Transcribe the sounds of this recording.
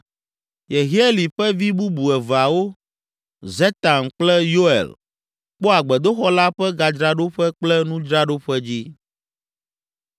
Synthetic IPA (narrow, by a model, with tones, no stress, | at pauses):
je˨ɣi˦e˦li˨ɸɛ˦vi˦bu˦bu˨ɛ˨va˨wo˦ | zɛ˦t̪a˨nk͡plɛ˦jo˦ɛ̰˨l | k͡pɔ˦a˨ɡ͡bɛ˨d̪o˦xɔ˦la˦ɸɛ˦ɡa˨d͡ʒɾa˦ɖo˦ɸɛ˦k͡plɛ˦nũ˦d͡ʒɾa˦ɖo˦ɸɛ˦d͡ʑi˦